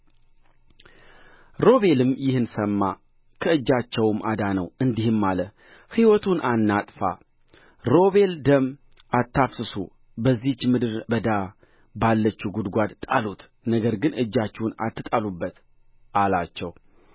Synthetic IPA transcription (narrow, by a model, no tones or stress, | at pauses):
ɾo̞βe̞lɨmjɪhɨnsəmːa | kʰəɨd͡ʒːat͡ʃːɛwmad̪anəwɨnd̪ihɨmːalə | hiwɔt̪ʰunʔanːat̪ʼfa̰ | ɾo̞βe̞ld̪əm | ʔat̪ːafsɨsṵ | bəzːiht͡ʃːmɨd̪ɨɾbəd̪a | balːət͡ʃːuɡud̪ɡʷad̪t̪ʼalut̪ | nəɡəɾɡɨnɨd͡ʒːat͡ʃːɛwuna̰t̪ːɨt̪ʼalubːət̪ | ʔalat͡ʃːɛw